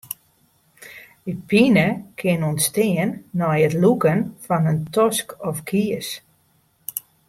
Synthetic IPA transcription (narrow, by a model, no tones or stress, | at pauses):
əpinəkʰɪnɔnstɪənːɔjətlukənfɔnəntɔskɔfkʰiəs